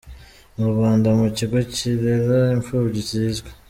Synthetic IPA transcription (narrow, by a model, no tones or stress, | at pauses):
uɾuβaːndamuciɡo̞ciɾeɾaiɱfuːβɟiciːzɡwe̥